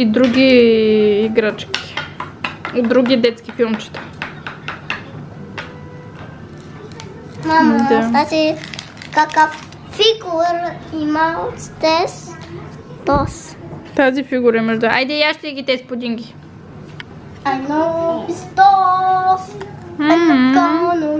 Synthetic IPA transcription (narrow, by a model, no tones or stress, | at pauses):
id̪ɾuɡʲiː | ɡɾat͡ʃkʲi̥ | od̪ɾuɡʲid̪ɛt̪skifilˠmt͡ʃi̥t̪ḁ | mamaɛsat͡ʃi | kakəfː | iɡuɾimast̪ɛs | t̪ɔs | t̪azifiɡuɾɐimɛʒd̪a̰jd̪ɛjaʃt̪ɛɛɡʲit̪ɛspod̪iŋɡi | anopist̪ɔfmkamonu